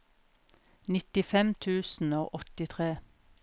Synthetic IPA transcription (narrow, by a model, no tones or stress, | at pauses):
nɪt̪ɪfɛmt̪ʰʉːsn̩o̰ːʔɔt̪ɪt̪ʰʁeː